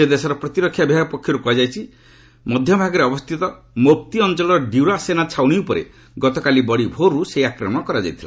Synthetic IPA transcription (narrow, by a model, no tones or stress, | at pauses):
sed̪esɔɾɔpɾɔt̪iɾɔkʰːjabʱiɦaɡpɔkʰːjɔɾukɔad͡ʒajt͡ʃʰi | mɔd̪ʱjɔbʱaɡɔɾeɔbɔst̪ʰit̪ɔ | mop̚t̪iɔnt͡ʃɔlɔɾɔɖiuɾasenat͡ʃʰawɽ̃iupɔɾḛ | ɡɔt̪ɔkalibɔɽibʱoɾuseiakɾɔmɔkɔɾad͡ʒajt̪ʰila̰